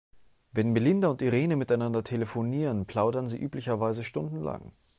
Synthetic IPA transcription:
vɛnmelɪndaʊntiʁeːnəmɪtaɪnandɐtʰeləfoniːʁənpʰl̥aʊdɐnziːʔyːplɪçɐvaɪzəʃtʊndn̩la̰ŋ

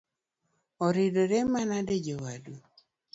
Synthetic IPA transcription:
ɔɾɪdoɾemanaded͡ʒowadu

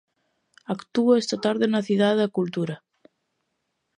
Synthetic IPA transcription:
akt̪uaest̪at̪aɾðenaθiðaðakult̪uɾa

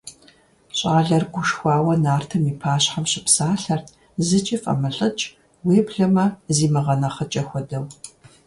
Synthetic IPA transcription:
ɕʼaːɮɐrɡʷʊʂxʷɑːwɐnaːrtʰɨmiːpʰaːɕħamɕɪpsaːɬɐrtʰ | zɨt͡ʃʼifʼɐ̰mɨɬʼɨt͡ʃʼ | weːbɮɐmɐziːmɨʁɐnɐχət͡ʃʼɐxʷɔdɐw

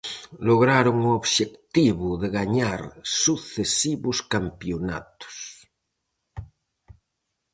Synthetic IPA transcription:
loɣɾaɾoŋooβʃekt̪iβʊðeɣaɲaɾsuθesiβoskampjona̰t̪o̥s

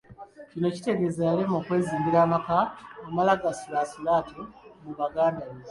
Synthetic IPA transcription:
cino̞ci̥te̞ɡe̞ːzajalemo̞ːkwe̞ːziːmbiɾaːmakaamalaɡasulasulaːtomuβaɡaːndaβe

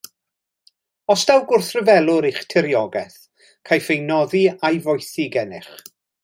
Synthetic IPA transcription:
ɔsd̥awɡʊrθrəvɛlˠʊɾiχtʰɪɾjɔɡɛθ | kʰajfejnɔðiajvɔjθɪɡɛnɪ̰χ

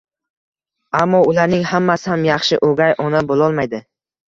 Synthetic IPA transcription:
amːɒʊlaɾnɪŋhamːasɪhamjɑχʃɪ̰ʔoɡajʔɒnabolˠɒlˠmajd̪ɪ

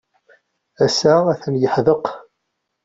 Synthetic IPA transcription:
æsææθənjəħðəq

